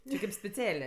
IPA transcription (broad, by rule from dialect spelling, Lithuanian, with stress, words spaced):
t͡ʃʲɪ kʲɪp sʲpʲɛˈt͡sʲæːlʲeː